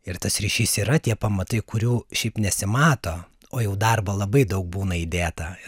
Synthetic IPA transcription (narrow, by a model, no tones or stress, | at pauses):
ɪrt̪ɐsrʲiːʃʲiːsiːɾɐt̪ʲiɛpɐmɐt̪ɐɪkʊɾʲuːʃʲɛɪpnʲɛsʲɪmɑːt̪oː | oːjɛʊd̪ɐrbɐlˠɐbɐɪd̪ɐʊk̚buːnɐid̪ʲeːt̪ɐɪ